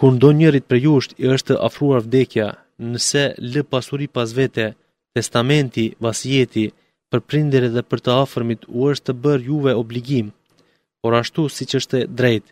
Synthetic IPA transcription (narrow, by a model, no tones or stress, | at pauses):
kund̪ɔɲəɾit̪̚pɾɛjuʃt̪iəʃt̪əʔafɾuaɾvd̪ɛkja | nəsɛləpasuɾipas̬vɛt̪ɛ | t̪ɛst̪amɛnt̪ivasiɛt̪i | pəɾpɾind̪ɾɛðɛpəɾt̪əafəɾmit̪uəʃt̪ːəbəɾjuvɛɔbliɡim | pɔɾaʃt̪usit͡ʃəʃt̪ɛd̪ɾɛjt̪